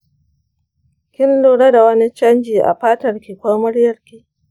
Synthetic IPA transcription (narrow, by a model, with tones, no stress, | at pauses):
kʲɪ˦nluː˦˨ɽa˦da˨wɐ˦ni˦t͡ʃɐ˦nd͡ʒiː˨ʔa̰˨ɸaː˦tɐ˨rkʲi˨kʷoː˦mʊ˦ɽjɐ˨rkʲi˦ʔ